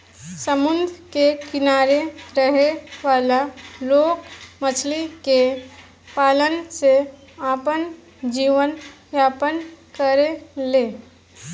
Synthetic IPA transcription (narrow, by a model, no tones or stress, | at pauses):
səmʊnd̪ʱkekɪnaːɾeɾəɦeʋaːlaloːkmət͡ʃʰlike | paːlənse | aːpən | d͡ʒiːʋənʋjaːpənkəɾeleː